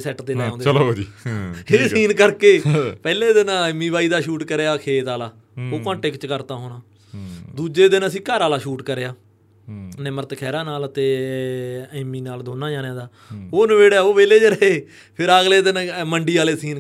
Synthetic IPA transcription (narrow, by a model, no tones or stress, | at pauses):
sɛːʈd̪eːnaːoːnd̪iesiːnkəɾkeːpɛːleːd̪ɪnãːmiːbaːiːd̪aːʃuːʈkəɾeːaːkʰeːt̪aːlaː | oːkõːɳʈekt͡ʃkəɾt̪aːɦoːɽ̃aː | d̪uːd͡ʒeːd̪ɪnəsĩːkaːɾaːlaːʃuːʈkəɾeːaː | nɪməɾt̪kʰɛːɾaːnaːlt̪eː | ɛmːiːnaːld̪oːnaːd͡ʒaːnjãːd̪aː | oːnəʋeːɽaːoːʋeːleːd͡ʒəɾəeː | pʰɪɾəɡleːd̪ɪnməɳɖiːaːleːsiːn